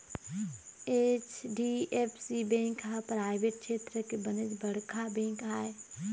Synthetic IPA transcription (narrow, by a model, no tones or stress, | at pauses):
eːt͡ʃɖiepʰsibẽːkɦapɾaːɪʋeʈ̚kʃeːt̪ɾəkebəned͡ʒbəɽkʰabẽːŋkaːe